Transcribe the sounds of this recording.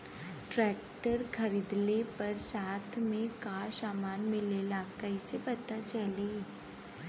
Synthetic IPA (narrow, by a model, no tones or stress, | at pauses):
ʈɾɛːk̚ʈəɾkʰɐɾiːd̪lepɐɾsaːt̪ʰmẽkasaːmaːnmɪlelakɐisepɐt̪at͡ʃɐle